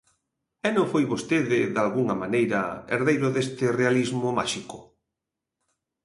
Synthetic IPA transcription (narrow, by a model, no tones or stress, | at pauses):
ɛnõŋfojβost̪eðɪðalɣuŋɐmanejɾɐ̰ḛɾðejɾoðest̪ɪrealizmʊma̰ʃikʊ